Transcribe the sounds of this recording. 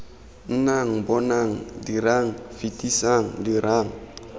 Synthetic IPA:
n̩naŋbɔnaŋdiɾaŋfitisaŋdiɾaŋ

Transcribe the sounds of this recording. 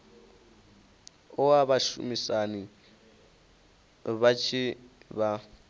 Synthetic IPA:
ʊaβaʃṵmisani | βat͡ʃʰiβa

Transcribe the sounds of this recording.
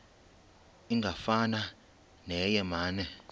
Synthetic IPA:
iŋɡʱafana | nɛjɛmaːnɛ

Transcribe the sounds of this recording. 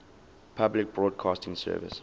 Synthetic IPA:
pʰablɪk̚bɹɔːd̚kʰɑːstɪ̃ŋsɜ̰ːvɪ̰s

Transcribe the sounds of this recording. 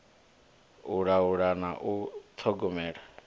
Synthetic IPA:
uɺauɺanaʔut̪ʰɔɡɔmɛːɺa

